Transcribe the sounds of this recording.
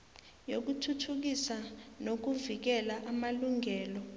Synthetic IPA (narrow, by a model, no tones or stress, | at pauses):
jok̬utʰutʰuk̬isanok̬uvik̬ɛlaʔamaluŋɛːlɔ